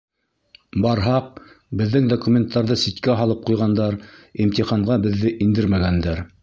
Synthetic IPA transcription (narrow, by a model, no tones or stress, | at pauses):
bɑɾɦɑq̚ | bɘ̆ðːɘŋd̪okumʲent̪ːɑɾðɤsit̪kæɦɑlˠɤp̚qujʁɑnd̪ɑɾimt̪iχɑɴɢɑbɘ̆ðːɘʔind̪ɘɾmæɡænd̪æɾ